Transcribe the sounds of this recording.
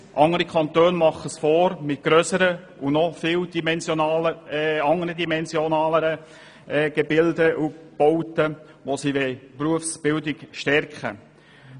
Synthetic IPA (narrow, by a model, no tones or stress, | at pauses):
ʔɑŋəɾikʰɑnt̪øːnmɑχəsfoːɾmɪt̚ɡ̥ɾœsəɾə | unɔfɪːwd̥imɛnsjonɑːləɑŋəɾədimɛnsjonɑːləɾə | ɡ̥ɛbɪldəʔub̥oʊtə | ʋosiʋɛpɾuəfsb̥ɪldɪɡʃtɛɾkχə̰